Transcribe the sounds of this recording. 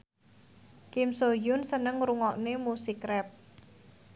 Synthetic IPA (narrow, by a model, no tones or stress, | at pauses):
kimsojʊnsənəŋɾuŋɔʔnemusikɾɛp̚